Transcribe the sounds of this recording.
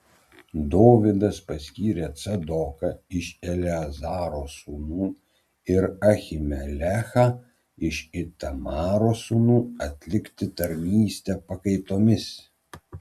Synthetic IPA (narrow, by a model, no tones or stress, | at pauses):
d̪oːʋʲɪd̪ɐspɐsʲkʲiːɾʲɛt̪sɐd̪ɔkɐɪʃɛlʲɛɐzɑːɾoːsuːnuː | ɪɾɐxʲɪmʲɛlʲæxɐ | ɪʃɪt̪ɐmɑːɾoːsuːnuːɐt̪ʲlʲɪkt̪ʲɪt̪ɐɾʲnʲiːsʲt̪ʲɛpɐkɐɪt̪oːmʲɪs